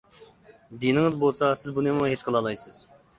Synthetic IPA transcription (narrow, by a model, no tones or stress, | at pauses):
d̪inɪŋɨzbolˠsɑsɪzbunemɦesqʰəlˠɑlˠɑjsɨz̥